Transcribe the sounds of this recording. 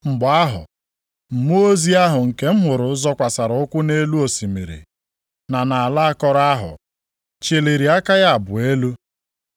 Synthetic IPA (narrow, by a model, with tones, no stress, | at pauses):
ŋ͡m̩˨ɡ͡ba˦ɦʊ̰˨ | m̩˨mu˦o˦zi˦a˦ɦʊ˨ŋ̩˨ke˦m̩˦ɦʊ˨ɾʊ˨˦zɔ˦kʷa˨sa˨ɾʊ˨ʊ˦kʷʊ˦ne˦lu˦o˨si˨mi˨ɾḭ˨ | na˨na˨a˨la˦a˦kɔ˦ɾa˦ɦʊ̰˨ | t͡ʃe˨le˨ɾi˨a˦ka˦ja˦a˨bʊ˨e˦lu˦